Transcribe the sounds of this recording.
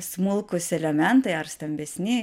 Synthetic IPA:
smʊlˠkʊsɛlʲɛmʲɛnt̪ɐɪɐɾsʲt̪ɐmʲbʲɛsʲnʲɪ

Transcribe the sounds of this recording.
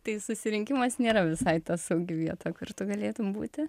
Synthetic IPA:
t̪ɐɪsʊsʲɪɾʲɪŋʲkʲɪmɐsnʲeːɾɐʋʲɪsɐɪt̪ɐsɐʊɡʲɪʋʲiɛt̪oːjkʊrt̪ʊɡɐlʲeːt̪ʊmbṵːt̪ʲɪ

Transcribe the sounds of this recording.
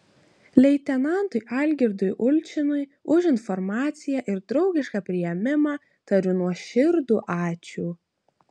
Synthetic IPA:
lʲɛɪt̪ʲɛnɑnt̪ʊjʔɑlʲɡʲɪɾd̪ʊjʔʊlʲt͡ʃʲɪnʊjʊʒʲɪnfɔɾmɑːt̪sʲɪjæʔɪɾd̪ɾɒʊɡʲɪʃkɑpʲɾʲɪjɛmʲɪmɑ | t̪ɐɾʲʊnuɔʃʲɪɾd̪uːʔɑːt͡ʃʲuː

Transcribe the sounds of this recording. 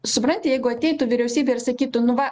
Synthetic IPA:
sʊpɾɐnʲt̪ʲɪjɛɪɡʊɐt̪ʲɛɪt̪ʊʋʲiɾʲɛʊsʲiːbʲeːɪɾsɐkʲiːt̪ʊnʊʋɐ

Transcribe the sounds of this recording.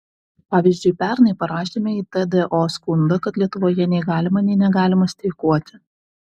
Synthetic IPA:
pɑːʋʲiːzʲd͡ʒʲʊɪpʲæɾnɐɪpɐɾɑːʃʲemʲɛiːt̪ɛd̪ɛʔoskʊnd̪ɐkɐt̪lʲiɛt̪ʊʋoːjɛnʲɛɪɡɑːlʲɪmɐnʲɛɪnʲɛɡɑːlʲɪmɐsʲt̪ʲɛɪkuɔt̪ʲɪ

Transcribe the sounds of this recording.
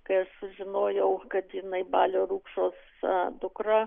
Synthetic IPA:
kɐɪɐʃsʊʒʲɪnoːjɛʊkɐt̪jɪnɐɪbɑːlʲoːɾuːkʃoːs | d̪ʊkɾɐ

